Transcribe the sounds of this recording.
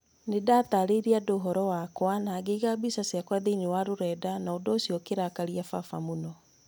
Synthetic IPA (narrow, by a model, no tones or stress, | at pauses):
nedataɾeiɾiadoːɦɔɾɔwakwanaːɡeiɣabisasjakwaðeiɲewaɾoɾɛːdanaodɔosjɔkeɾakaɾiafafa̰munɔ